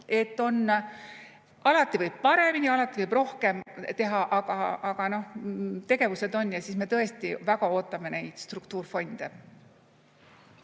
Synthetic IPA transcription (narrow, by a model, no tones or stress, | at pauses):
e̞t̪ːˑo̞n | ɑlɑt̪ːˑivɯjb̥̚pɑɾe̞miniɑlɑt̪ːˑivɯjb̥ro̞hke̞mt̪e̞ɦɑʔɑɡ̥ɑɑɡ̥ɑno̞ht̪e̞ɡ̥e̞vuse̞d̪o̞nːjɑsiːsme̞t̪ɤ̞e̞st̪ivæɡɑo̞ːt̪ːˑɑmene̞jd̪̥st̪rukt̪uːrfo̞nʲd̪̥e